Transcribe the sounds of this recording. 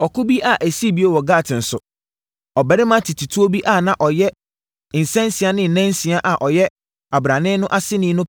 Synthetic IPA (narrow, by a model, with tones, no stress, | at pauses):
ɔ˨kʊ˦bi˦ʔa˨ʔæ˨si˦˨bi˦e˦wɔ˨ɡaː˦˨tʰɪ̃˨n̩˨sʊ˨ | ɔ˨bɛ˨ɾɪ˦mã˦tʰɪ˨tʰi˨tʰu˦o˦bi˦ʔa˨nã˦ʔɔ˨jɛ˦ | ɪ̃˨n̩˨sɛ̃˦nsi˨a˨nɪ̃˨n̩˨nɛ̃˦nsi˨a˦ʔa˨ʔɔ˨jɛ˦ | a˨bɾã˨nɪ̃˦nʊ̃˦ʔa˦sɪ˦nɪ̃˦nʊ̃˦